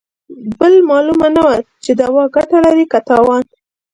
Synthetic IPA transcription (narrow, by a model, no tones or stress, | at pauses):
bəlmɑlumanawat͡ʃed̪awɑɡaʈalaɾikat̪ɑwɑn